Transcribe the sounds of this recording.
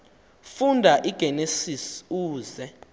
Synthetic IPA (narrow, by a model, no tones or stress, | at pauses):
fundʱaʔiɡ̥ʱɛnesisuːzɛ